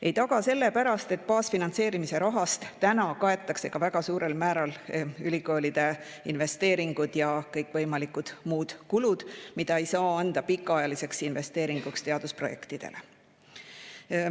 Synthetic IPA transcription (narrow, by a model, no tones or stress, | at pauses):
ʔe̞jt̪ɑɡ̥ɑse̞lːe̞pæɾɑst̪e̞t̪̚pɑːsfinɑnt̪se̞ːɾimise̞ɾɑɦɑst̪t̪ænɑkɑe̞t̪ːˑɑkse̞kɑvæɡ̥ɑsuːɾe̞lmæːɾɑlylʲiko̞ːlʲid̪̥e̞ | inve̞st̪e̞ːɾiŋɡ̥ud̪̥jɑkɤjkːˑvɤjmɑlikud̪̥muːd̪̥kulud̪̥mid̪̥ɑe̞jsɑːɑnd̪̥ɑpikːˑɑɑjɑlise̞ksinve̞st̪e̞ːɾiŋɡ̥ukst̪e̞ɑd̪̥uspro̞je̞kt̪id̪̥e̞̰le